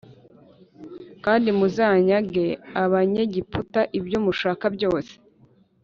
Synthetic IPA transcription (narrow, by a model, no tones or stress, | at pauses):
kaːndimuzaɲaɡe̞aβaɲe̞ɟiputaʔibɟomuʃaːkabɟo̞ːse̥